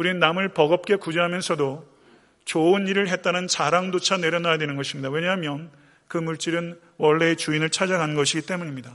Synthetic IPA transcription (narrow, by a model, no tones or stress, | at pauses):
uɾinnːamɯɭpʌɡʌp̚k͈e̞kud͡ʑeɦamjʌnsʰʌdo | t͡ɕoɯniɾɯɭɦe̞t̚t͈anɯnt͡ɕaɾaŋdot͡ɕʰane̞ɾjʌnajadwe̞nɯnɡʌɕʰimɲidawe̞ɲaɦmjʌn | kɯmuɭt͡ɕ͈iɾɯn | wʌɭːe̞et͡ɕuinɯɭt͡ɕʰad͡ʑaɡanɯnɡʌɕʰiɡit͈e̞muɲimɲida